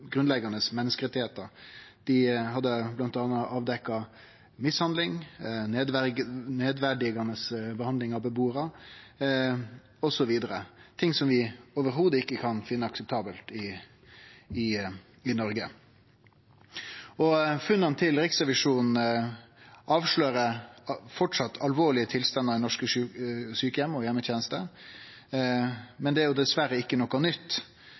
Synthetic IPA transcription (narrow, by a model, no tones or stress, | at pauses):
ɡɾʉnlɛɡɑnəsmɛnːəskəɾɛt̪ɪheːt̪əɾd̪̥ɪɦɑd̪ːəblɑnt̪ɑːnəʔɑːʋd̪ɛkːɑ | mɪshɑnd̪lɪŋneːd̪ʋneːd̪ʋæɖɪɡɑnəsbəhɑnd̪lɪŋɑbəbuːɾɑ | ɔsɔʋiːd̪əɾət̪ʰɪŋsɔmʋɪoːʋəɾɦuːd̪əɪkːəkʰɑnfɪnːəɑksəp̚t̪ʰɑːbəlt̪ɪ | ɪ | ɪnɔɾɡə | ɔfʉnːɑnt̪ʰɪlɾɪksɾɛʋɪʂuːnn̩ | ʔɑːʋʂɭøːɾəfɔʈʂɑt̪ːɑlʋoːɭɪət̪ʰɪlst̪ɑnːəɾd̪ɛnɔʂkəsyːkəjɛmːɔjɛmːət̪ʰjɛːnəst̪ə | mɛnd̪ɛæɾjʊd̪ɛsʋæɾəɪkːənɔkːɑnʏt̪ː